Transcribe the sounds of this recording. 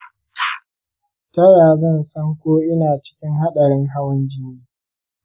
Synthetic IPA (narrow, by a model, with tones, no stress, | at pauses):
tɐ˦ɽaː˨zɐ˦˨nsɐ˦ŋkʷoː˦ʔɪ˦naː˨t͡ʃɪ̥˦kʲɪ˦ŋɦa˦ɗɐ˨ɽɪ˦ŋɦa˦wɪ˦nd͡ʒɪ˦niː˦